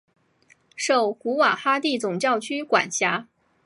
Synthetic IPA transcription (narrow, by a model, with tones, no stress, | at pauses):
ʂo˥˩ʊku˧˥wa˨˩xa˥t̪i˥˩t͡sʊ˨˩ŋt͡ɕjɑ˥˩ʊt͡ɕʰy˥kwa̰˨˩nɕja˧˥